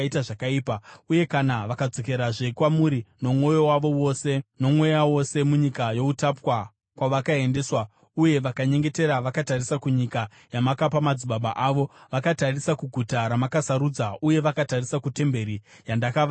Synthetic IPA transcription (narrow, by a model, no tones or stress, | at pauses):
itaʐakaiːpauje̞kanaʋakad͡zo̞ke̞ɾaʐekwamuɾino̞mwo̞jo̞waʋo̞wo̞se̞no̞mwe̞jawo̞se̞muɲikajo̞utapwa | kwaʋakae̞nde̞ːswa | uje̞ʋakaɲe̞ŋɡe̞te̞ɾaʋakatarisakuɲika | jamakapamad͡ziɓaɓa̰ʔaʋo̞ʋakatarisakuɡʱutaɾamakasaɾud͡zauje̞ʋakatarisakute̞mbe̞ɾijandakaʋ